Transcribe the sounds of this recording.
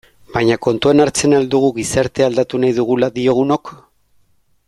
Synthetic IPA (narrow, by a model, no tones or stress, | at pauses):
bajɲako̞nt̪uenaɾt͡se̞nald̪uɣ̞uɣisaɾt̪e̞ald̪at̪unajðuɣ̞ulaðio̞ɣ̞uno̞k